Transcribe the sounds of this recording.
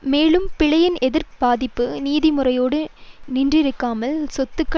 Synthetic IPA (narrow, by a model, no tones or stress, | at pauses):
meːlɯmpɪɻɐjɪnʔɛðɪɾb̥aːðɪpːɯniːðɪmʊrɐjoːɽɯnɪndrɪɾɯkːaːmɐlsɔt̪ːɯkːɐ